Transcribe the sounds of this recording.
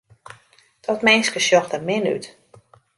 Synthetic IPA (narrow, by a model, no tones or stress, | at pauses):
d̥ɔtmɪnskəsjɔxdəmɪny̰t